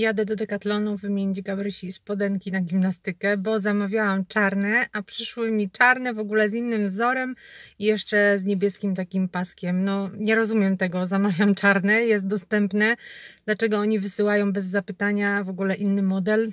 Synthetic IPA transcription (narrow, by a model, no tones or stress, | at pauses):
jad̪ɛd̪ɔd̪ɛkat̪lɔnuvmʲjeɲd͡ʑɡabɾɘɕispɔd̪ɛŋkʲinaɡʲimnast̪ɘkɛbɔzamavʲjawamt͡ʂaɾnɛʔapʂɘʂwɘmʲit͡ʂaɾnɛvɔɡulɛzinːɘmvzɔɾɛmijɛʂt͡ʂɛzɲebʲjɛskʲimt̪akʲimpaskʲɛmnɔɲɛɾɔzumʲjɛmt̪ɛɡɔzamavʲjamt͡ʂaɾnɛjɛs̬t̪̚d̪ɔst̪ɛmpnɛd̪̥lat͡ʂɛɡɔɔɲivɘsɘwajɔ̃w̃bɛzːapɘt̪aɲavɔɡulɛʔinːɘmɔd̪ɛl